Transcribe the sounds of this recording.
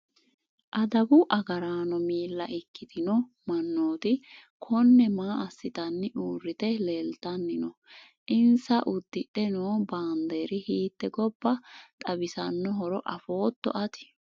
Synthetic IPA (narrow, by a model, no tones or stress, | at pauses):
ʔɐd̪ɐbʊʔɐɡɐɾaːnɔmiːlːɐʔɪkːɪd̪ɪnɔ | mɐnːoːt̪ɪ | kʰɔnːɛmaːʔɐsːɪt̪ɐnːɪʔuːrːɪt̪ɛleːlt̪ɐnːɪnɔ | ʔɪnsɐʔʊd̪ːɪᶑɛnoːbaːnd̪eːɾɪhiːt̪ːɛɡɔb̥ːɐt̪ʼɐbɪsɐnːɔɦɔɾɔʔɐfo̞ːt̪ːɔ̰ʔɐt̪ɪ̥